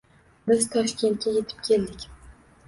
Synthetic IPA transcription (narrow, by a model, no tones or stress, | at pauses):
bɪzt̪ʰɒʃkʲe̞nt̪̚kʲaje̞t̪ʰɪ̥p̚kʲʰe̞ld̪ɪkʲ